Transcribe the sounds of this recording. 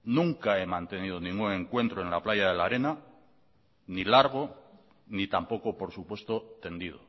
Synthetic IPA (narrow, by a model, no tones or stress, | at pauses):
nũŋkae̞mãnt̪e̞nið̞onĩŋɡune̞ŋkwe̞nt̪ɾo̞e̞nlaplajaðe̞laɾe̞na | nilaɾɣ̞o̞ | nit̪ampo̞kopo̞ɾsupwe̞st̪o̞t̪e̞nd̪ið̞o̰